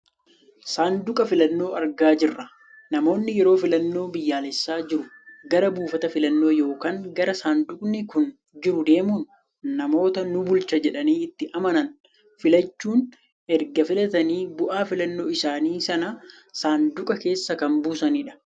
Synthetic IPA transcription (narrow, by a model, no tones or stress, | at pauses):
saːnd̪ʊkʼɐfɪlɐnːo̞ːɐɾɡaːd͡ʒɪrːɐ | nɐmo̞ːnːɪjɛɾo̞ːfɪlɐnːo̞ːbɪjːaːlɛsːaːd͡ʒɪɾʊ | ɡɐɾɐbuːfɐt̪ɐfɪlɐnːo̞ːjo̞ːkaːŋɡɐɾɐsaːnd̪ʊkʼnɪkʊn | d͡ʒɪɾʊd̪e̞ːmuːnː | ɐmo̞ːt̪ɐnʊbʊlt͡ʃɐd͡ʒɛᶑɐniːɪt̪ːɪʔɐmɐnɐn | fɪlɐt͡ʃːuːn | ʔɛɾɡɐfɪlɐt̪ɐniːbʊʔaːfɪlɐnːoːɪsaːniːsɐnɐ | saːnd̪ʊkʼɐke̞ːsːɐkɐmbuːsɐniːᶑɐ̥